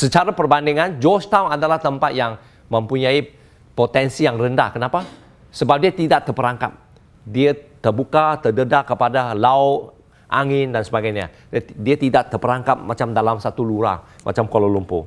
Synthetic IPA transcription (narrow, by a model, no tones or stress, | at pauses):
sət͡ʃaɾapərbandiŋand͡ʒɔst̪awnadalaht̪əmpat̪̚jaŋ | məmpuɲai | pot̪ɛnsijaŋrənda̰kənapa | səbap̚diət̪idaʔt̪ərpəɾaŋkap̚ | diət̪ərbukat̪ərdədaʔkəpadalao | ʔaŋɪndansəbaɡajɲa̰ | diat̪idaʔt̪ərpəɾaŋkap̚mat͡ʃamdalamsat̪uluɾa̰mʔa̰t͡ʃamkololumpṵ